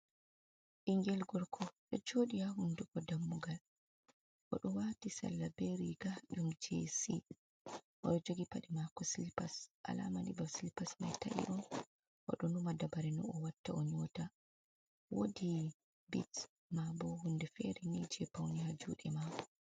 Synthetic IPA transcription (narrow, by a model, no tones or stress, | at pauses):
ʔiŋɡɛlɡɔɾkʰɔɗɔd͡ʒoɗijahunduɡɔdamːuɡal | ʔɔ̰ɗɔwatisa̰lːabeɾiɡaɗumd͡ʒesḭ | ʔɔ̰ɗɔd͡ʒoɡipaɗɛmakɔsilipasʔa̰la̰manḭbasilipasmajta̰ʔḭʔɔn | ʔɔ̰ɗɔnumadabaɾɛnɔ̰ɔwatːaʔɔɲɔta | wodi | bḭt | mabɔhundɛfɛɾɛnid͡ʒɛpawnihad͡ʒṵːɗɛma